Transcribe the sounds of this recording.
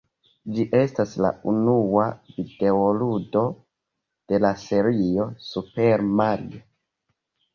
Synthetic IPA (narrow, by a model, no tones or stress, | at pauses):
d͡ʒiʔe̞stasla̰unuavide̞oludo̞ | d̥e̞lase̞ɾio̞supe̞ɾmaɾḭo